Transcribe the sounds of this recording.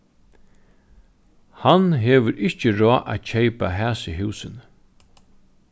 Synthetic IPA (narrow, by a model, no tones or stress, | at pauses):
hanɦɛːʋəɾʔɪht͡ʃəɾɔːʔæ̰t̪t͡ʃʰejpa̰ɦæːsɪɦʉːsən